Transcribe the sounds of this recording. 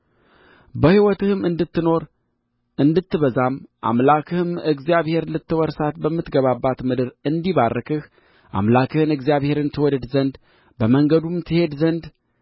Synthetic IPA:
bəhiwɔt̪ɨhɨmɨnd̪ɨt̪ːɨno̞ɾ | ʔɨnd̪ɨt̪ʰːɨβəzamʔa̰mlakʰɨhɨmɨɡzijaβhe̞ɾlɨt̪ːɨwɔɾsat̪bəmːɨt̪ɡəβabːat̪mɨd̪ɨɾɨnd̪iβarːəkʰɨh | ʔa̰mlakʰɨhɨnɨɡzijaβhe̞ɾɨnt̪ʰːɨwɔd̪əd̪zənd̪ | bəməŋɡəd̪umt̪ʰɨhe̞d̪zənd̪

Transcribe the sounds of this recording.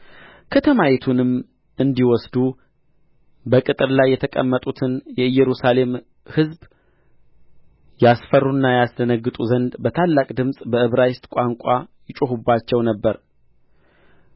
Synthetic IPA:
kʰət̪ʰəmajit̪ʰunɨm | ɨnd̪iwɔsd̪u | bəkʼɨt̪ʼɨɾlajːɛt̪ʰəkʼə̰mːət̪ʼut̪ʰɨnjɛɨjːɛɾusale̞m | hɨzb | jasfərːunːajasd̪ənəɡːɨt̪ʼuzənd̪bət̪ʰalːakʼd̪ɨmsʼbəɨβɾajɪst̪ʼkʷʼaŋkʷʼajɪt͡ʃʼuɦubːat͡ʃːɛwnəbːəɾ

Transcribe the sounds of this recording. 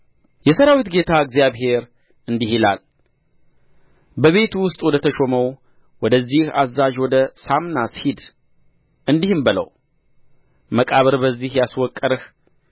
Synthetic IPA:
jɛsəɾawit̪ɡe̞t̪ʰaɨɡzijaβɦe̞ɾ | ɨnd̪ihila̰l | bəβe̞t̪wʊst̪ʼwɔd̪ət̪ʰəʃoməw | wɔd̪əzːihazːaʒwɔd̪əsamnashid̪ | ɨnd̪ihɨmbələ̰w | məkʼaβəɾbəzːihjaswɔkʼːəɾɨh

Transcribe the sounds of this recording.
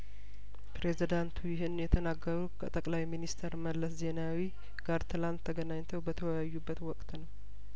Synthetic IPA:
pɾe̞zid̪ant̪ʰujɪɦɨnjɛt̪ʰənaɡːəɾukʰə̰t̪ʼəkʼlajminist̪ʰəɾməlːəsze̞nawi | ɡ̥aɾt̪ʰɨlant̪ʰːəɡənaɲt̪ʰəwbət̪ʰəwəjajːubːət̪wɔkʼt̪nəw

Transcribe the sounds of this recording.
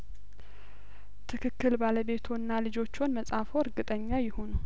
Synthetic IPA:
t̪ʰɨkʰɨkːɨlbaləβe̞t̪ʰunːalɨd͡ʒo̞t͡ʃːonməsʼafoəɾɡɨt̪ʼəɲːajɪhonu

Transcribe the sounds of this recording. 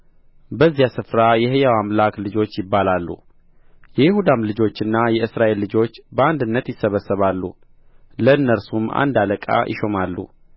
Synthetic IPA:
bəzːijasɨfɾajɛɦejawamlaklɨd͡ʒo̞t͡ʃːjɪbːalalːṵ | jɛjɪhud̪amlɨd͡ʒo̞t͡ʃːɨnːajɛɨsɾaʔe̞lːɨd͡ʒo̞t͡ʃːbəand̪ɨnːət̪jɪsːəβəsːəβalːṵ | ləɨnːəɾsuma̰nd̪aləkʼa̰jʔɪ̰ʃo̞malːṵ

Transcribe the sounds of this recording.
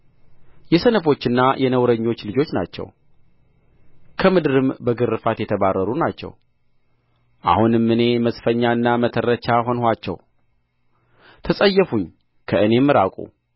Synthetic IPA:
jɛsənəfo̞t͡ʃːɨnːajʔɛnəwɾəɲːo̞t͡ʃːlɨd͡ʒo̞t͡ʃːna̰t͡ʃːɛ̰w | kʰəmɨd̪ɨɾɨmbəɡɨɾːɨfat̪jɛt̪ʰəβarːəɾunat͡ʃːɛ̰w | ʔa̰hunɨmːɨne̞məsfəɲːaɨnːamət̪ʰərːət͡ʃaɦo̞nhat͡ʃːɛ̰w | t̪ʰəsʼəjːɛfuɲː | kʰəɨne̞mːɨɾakʼṵ

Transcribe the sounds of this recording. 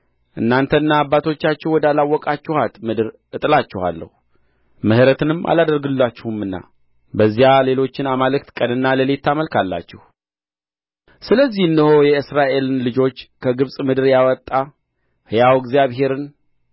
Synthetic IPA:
ʔɨ̰nːant̪ʰəɨnːaːbːat̪ʰo̞t͡ʃːat͡ʃːɛhwɔd̪alawːɔkʼat͡ʃːɛhat̪mɨd̪ɨɾ | ʔɨt̪ʼɨlat͡ʃːɛha̰lːə̰hu | məhɨɾət̪ʰɨnɨmʔa̰lad̪əɾɡɨlːat͡ʃːɛhumːɨnːa̰ | bəzːijale̞lo̞t͡ʃːɪnamalɨkt̪kʼənɨnːaləlet̪ːaməlkʰalːa̰t͡ʃːɛh | sɨləzːihɨnːəho̞jɛɨsɾaʔe̞lɨnlɨd͡ʒo̞t͡ʃːkʰəɡɨβsʼmɨd̪ɨɾjawɔt̪ʼːa | hɨjawɡzijaβɦe̞ɾɨn

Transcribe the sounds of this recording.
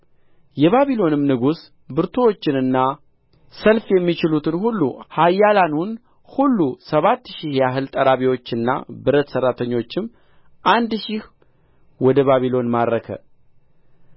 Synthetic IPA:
jɛβaβilo̞nɨmnɨɡus | bɨɾt̪ʰowot͡ʃːɪnɨnːa | səlfjɛmːit͡ʃɪlut̪ɨnhulːuhajːalanun | hulːusəβat̪ːʃihjaɦɨlt̪ʼəɾaβiwo̞t͡ʃːɨnːa̰bɨɾət̪sərːat̪ʰəɲːo̞t͡ʃːɪm | ʔand̪ʃih | wɔd̪əβaβilo̞nmadɾəkʰə̰

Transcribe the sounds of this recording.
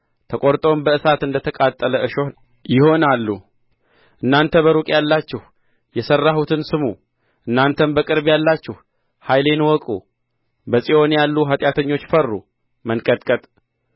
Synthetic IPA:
t̪ʰəkʼoɾt̪ʼo̞nbəɨsat̪ɨnd̪ət̪ʰəkʼat̪ʼːələʔɨʃo̞ | jɪho̞nalːu | ʔɨnːant̪ʰəβəɾukʼjalːat͡ʃːɛh | jɛsərːahut̪ʰɨnsɨmu | ʔɨnːant̪ʰənbəkʼɨɾbjalːat͡ʃːɛh | hajle̞nwɔkʼu | bəsʼio̞njalːuɦat̪ʼjat̪ʰəɲːo̞t͡ʃːfərːṵ | mənkʼət̪ʼkʼət̪ʼ

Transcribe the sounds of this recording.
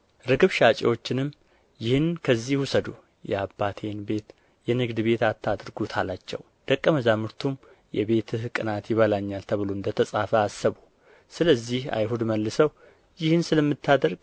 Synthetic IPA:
ɾɨkɨβʃat͡ʃʼḛwo̞t͡ʃːɪnɨmː | jɪhɨnkʰəzːihhusəd̪u | jɛabːat̪ʰe̞nbe̞t̪ | jɛnɨɡd̪ɨbe̞t̪at̪ʰːad̪ɾɡut̪ʰalat͡ʃːɛ̰w | d̪̥əkʼːəməzamɨɾt̪ʰum | jɛ̰βe̞t̪ʰɨkʼɨnat̪jɪβəlaɲːalt̪ʰəβɨlond̪ət̪ʰəsʼafəasːəβu | sɨləzːiha̰jɦud̪məlːɨsəw | jɪhɨnsɨləmːɨt̪ʰːad̪əɾɡ

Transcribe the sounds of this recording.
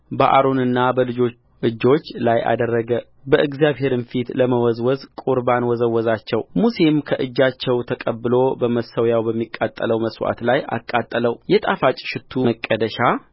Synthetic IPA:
bəʔa̰ɾo̞nɨnːabəlɨd͡ʒo̞ | ʔɨd͡ʒːo̞t͡ʃːlaja̰d̪ərːəɡə | bəʔɨɡzijaβɦe̞ɾɨnfit̪ləməwɔzwɔzkʼuɾbanwɔzəwːɔzat͡ʃːɛwmuse̞mkʰəʔɨd͡ʒːat͡ʃːɛwt̪ʰəkʼəbːɨlo̞bəməsəwjawbəmːikʼːat̪ʼːələwməswa̰t̪laja̰kʼːat̪ʼːələwjɛt̪ʼafat͡ʃʼʃɪt̪ʰːuməkʼːəd̪əʃa

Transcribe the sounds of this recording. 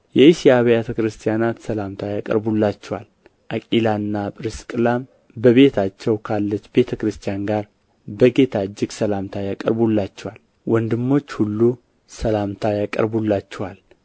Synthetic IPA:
jɛisijaβjet̪ʰəkɾɨst̪ʰʼijanat̪səlamt̪ʰajakʼə̰ɾbulːat͡ʃːɛwal | ʔakʼilanːapʼɾɨskʼlam | bəβe̞t̪ʰat͡ʃːɛwkʰalːət͡ʃːbe̞t̪ʰəkɾɨst̪ʰijanɡaɾ | bəɡe̞t̪ʰad͡ʒːɪɡsəlamt̪ʰajakʼə̰ɾbulːat͡ʃːɛwal | wɔnd̪ɨmːo̞t͡ʃːhulːu | səlamt̪ʰajakʼə̰ɾbulːat͡ʃːɛwal

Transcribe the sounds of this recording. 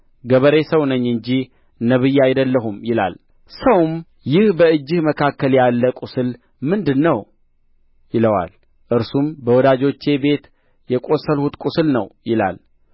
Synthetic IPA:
ɡəβəɾesəwnəɲːɨɲd͡ʒi | nəβɨjːaajd̪əlːəɦumjɪla̰l | səwm | jɪhbəɨd͡ʒːɪhməkʰakːəljalːəkʼusɨl | mɨnd̪ɨnːəw | jɪləwa̰l | ʔɨɾsumbəwɔd̪ad͡ʒo̞t͡ʃːe̞be̞t̪ | jɛkʼo̞səlhut̪kʷʼusɨlnəwjɪla̰l

